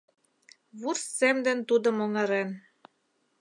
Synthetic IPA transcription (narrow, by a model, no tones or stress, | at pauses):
βursːemd̪ĕnt̪ud̪ŏmoŋɑ̆ɾen